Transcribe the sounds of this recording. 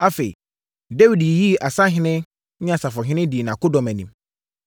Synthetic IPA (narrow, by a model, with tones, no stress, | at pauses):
a˦fe˨ḭ˨ | da˦wi˨dji˦˨ʔa˨sã˦ɦɪ̃˦nɪ̃˦ | ɲ˦ã˨sa˨fɔ˨ɦɪ̃˦nɪ̃˦di˨nã˨kʊ˦dɔ̃˨mæ̃˨nĩ˨m